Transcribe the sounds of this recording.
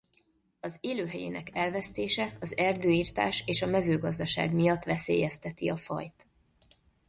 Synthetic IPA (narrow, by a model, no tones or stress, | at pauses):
ɒzeːløːɦɛjḛːnɛkɛlvɛst̪eːʃɛɒzɛrd̪øːiːrt̪a̰ːʃeːʃɒmɛzøːɡɒzd̪ɒʃa̰ːɡmijɒt̪ːʋɛseːjɛst̪ɛt̪iɒfɒ̰jt̪